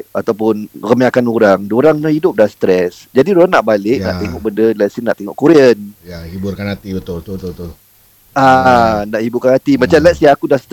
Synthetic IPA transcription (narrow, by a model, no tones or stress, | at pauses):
at̪awpʊnrəmiakanuɾaŋdoɾaŋnahidʊp̚dahst̪ɾɛs | d͡ʒadiɾoanaʔbalɪʔ̚na̰ʔt̪eŋɔʔ̚bəndəlɛsinaʔt̪eŋɔʔkuɾiənjahibʊrkanhat̪ibət̪ʊlət̪ʊbt̪ʊbət̪ʊl | anaʔhibʊrkanɦat̪imãt͡ʃamlɛsiakudahst̪